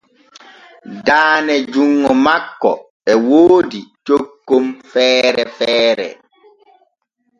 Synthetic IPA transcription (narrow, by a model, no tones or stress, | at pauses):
daːnɛd͡ʒuŋːɔmakːɔ̰ | ɛwoːdit͡ʃokːomfɛːɾɛfɛːɾɛ̰